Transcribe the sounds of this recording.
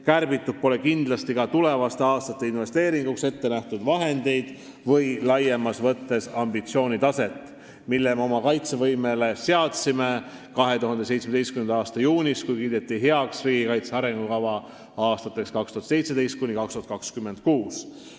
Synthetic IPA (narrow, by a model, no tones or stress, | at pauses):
kærbit̪ːud̚po̞le̞kind̪̥lɑst̪ikɑt̪ule̞vɑst̪eɑːst̪ɑt̪ːˑe̞inve̞st̪e̞ːɾiŋɡ̥ukse̞t̪ːe̞næht̪ud̪vɑɦe̞nd̪̥e̞jd̪̥ | vɤjlɑjemɑsvɤt̪ːe̞sɑmbit̪sio̞ːnʲit̪ɑse̞t̪ːˑ | milːemeo̞mɑkɑjt̪se̞vɤjmele̞se̞ɑt̪sime̞ | kɑɦe̞t̪uɦɑnd̪e̞s̬e̞jt̪smed̪e̞jstkymend̪ɑɑːst̪ɑjuːnʲiskujkiːd̪̥e̞t̪ːiɦe̞ɑksriːɡikɑjt̪seɑɾeŋɡukɑvɑ | ɑːst̪ɑt̪ːˑekskɑkst̪uhɑt̪se̞jt̪se̞d̪e̞jst̪̚kunikɑkst̪uɑt̪̚kɑkskymːe̞nt̪̚kuːs